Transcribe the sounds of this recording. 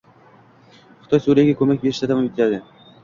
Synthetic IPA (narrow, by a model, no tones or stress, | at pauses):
χʊt̪ʰɒjsuɾijaɡʲakʰɵmak̚ʲbe̞ɾɪʃt̪ʰat̪ʰamamɪt̪ʰlad̪ɪ